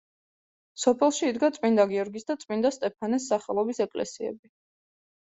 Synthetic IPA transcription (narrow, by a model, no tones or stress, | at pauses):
sɔpʰɛlˠʃiːd̪ɡat̪sʼwind̪aɡiɔɾɡisd̪at̪sʼind̪ast̪ʼɛpʰanɛsːaχɛlˠɔbisɛkʼlɛ̰siɛ̰bi